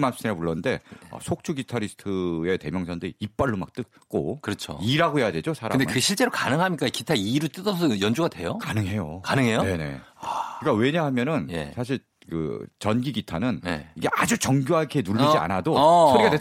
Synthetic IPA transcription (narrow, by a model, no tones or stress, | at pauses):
mas͈ʰiɾapuɭːʌnɯnde̞ʌ̰sʰok̚t͡ɕʰuɡitʰaɾisʰɯ̥tʰɯe̞te̞mjʌŋsʰʌndɯiːp͈aɭːumak̚t͈ɯk̚ | k͈o̰kɯɾʌt͡ɕʰo̰iɾaɡoɦejade̞d͡ʑosʰaɾaɯmndekɯɡeɕʰiɭt͡ɕ͈e̞ɾokanɯŋɦamɲik͈aikitʰaiɾɯt͈ɯdʌʌjʌnd͡ʑuɡadwe̞jokanɯŋɦe̞jokanɯŋɦe̞jone̞ne̞̰kik͈awe̞ɲaɦamjʌnɯnje̞̰sʰaɕ̬ʰiɭ | kɯ̰t͡ɕʌnɡiɡitʰanɯnnḛiɡe̞ʔad͡ʑut͡ɕʌŋɡjoɦakʰenuɭːid͡ʑia̰nadosʰoiɡade